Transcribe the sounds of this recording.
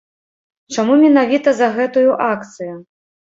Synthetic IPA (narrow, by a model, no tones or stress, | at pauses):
t͡ʂamumʲɛnavʲit̪ɐzɐɣɛt̪ujuʔakt̪sɨju